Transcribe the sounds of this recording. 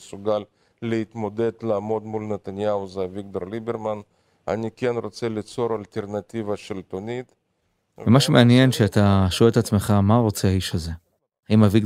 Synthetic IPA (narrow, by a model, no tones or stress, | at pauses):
suɡalː | eit̪mo̞d̪ed̪laːmo̞d̪mulnet̪anjauzeviɡ̚d̪oɾlibeɾman | a̰nikenɾo̞t͡selit͡so̞ɾalt̪eɾnat̪ivaʃelt̪onit̪ | emaʃumeanje̞nʃeat̪aʃoeet̪at͡sme̞χamaʁo̞t͡seaiʃaze̞ | imaviɡ